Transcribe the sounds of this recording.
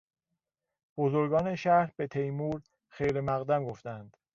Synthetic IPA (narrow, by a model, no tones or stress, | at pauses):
b̥ozoɾɡɒːneʃæhbe̞t̪ʰe̞jmuːɾ | xejɾemæɣd̪æmɡoft̪ænd̪̥